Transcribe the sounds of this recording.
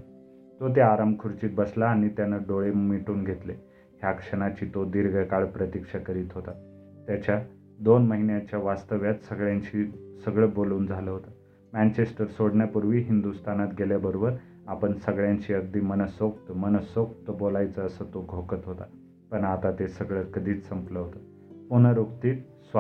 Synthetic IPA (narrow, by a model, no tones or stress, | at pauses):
t̪ot̪eaɾaməkʰuɾt͡ɕiːt̪̚bəslaːñit̪janəɖoɭemiʈuːnɡʱet̪le | ɦjakʂəɽ̃at͡ɕiːt̪od̪iɾɡʱəkaɭpɾət̪ikʂakəɾiːt̪ɦot̪a | t̪jat͡ɕja | d̪onməɦinjat͡ɕjaʋast̪əʋjat̪səɡɭjãɲt͡ɕisəɡɭəboluːnd͡zʱaləɦot̪a | mænt͡ɕesʈəɾsoɽɳjapuɾʋiːɦind̪ust̪anat̪ɡʱeljabəɾobəɾ | apəɳsəɡɭjãɲt͡ɕiːəɡd̪iːmənəsok̚t̪əmənəsok̚t̪əbolajt͡səːsət̪oɡʱokət̪ɦot̪a | pəɳat̪at̪esəɡɭəkəd̪ʱiːt͡ssəmkləɦot̪ə | pun̤əɾokt̪iːt̪ | sʋa